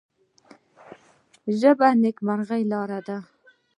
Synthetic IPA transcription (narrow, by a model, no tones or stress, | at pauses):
ʒəbanekmaɾʁajlɑːɾad̪a